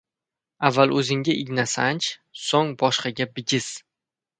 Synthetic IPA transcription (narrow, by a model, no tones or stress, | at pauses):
avːalˠɵzɪŋɡʲaʔɪɡʲnasant͡ʃsoŋbɒʃqɑɡʲabɪɡʲɪz̥